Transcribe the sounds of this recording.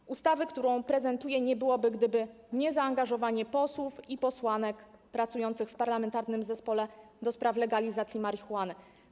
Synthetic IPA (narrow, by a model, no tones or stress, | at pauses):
ʔust̪avɘkt̪uɾɔ̃w̃pɾɛzɛnt̪ujɛɲɛbɘwɔbɘɡd̪ɘbɘ | ɲɛzaːŋɡaʐɔvaɲɛpɔswufipɔswanɛkpɾat̪sujɔnt̪sɘxfpaɾlamɛnt̪aɾnɘmzɛspɔlɛ | d̪ɔspɾaflɛɡalʲizat̪sʲjimaɾixuan